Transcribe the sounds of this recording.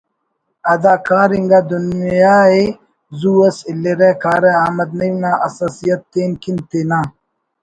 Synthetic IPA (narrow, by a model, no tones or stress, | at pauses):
ɐd̪aːkaːɾiŋɡaːd̪unjaːe | zuːɐsilːeɾekaːɾeaːmɐd̪̚nɐnaːʔɐsaːsijɐt̪ːeːnkint̪enaː